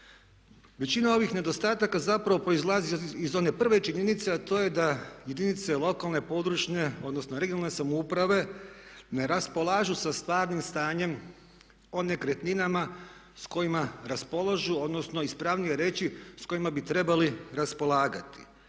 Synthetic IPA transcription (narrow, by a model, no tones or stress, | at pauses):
ʋe̞t͡ɕinao̞ʋixne̞d̪o̞st̪aːt̪akazapɾaʋo̞pɾoizlˠaziizo̞ne̞pr̩ʋe̞t͡ʃiɲe̞nit̪se̞at̪o̞ːje̞d̪aje̞d̪init̪se̞lo̞kalne̞po̞d̪ɾut͡ʃɲe̞o̞d̪nosno̞ɾeɡijonalnesamoupɾaʋe̞ne̞ɾaspo̞lˠaːʒusast̪ʋaːɾnimst̪aːɲe̞m | o̞nekɾet̪ninama | sko̞imaɾaspo̞lˠaʒuo̞d̪no̞sno̞ispɾaʋnije̞ɾe̞ːt͡ɕisko̞imabit̪ɾe̞baliɾaspo̞lˠaːɡat̪i̥